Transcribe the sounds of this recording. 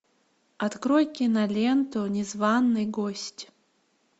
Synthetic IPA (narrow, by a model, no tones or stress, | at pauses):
at̪kɾojkʲinalʲent̪ʰonʲɛzvanːɨjɡosʲtʲ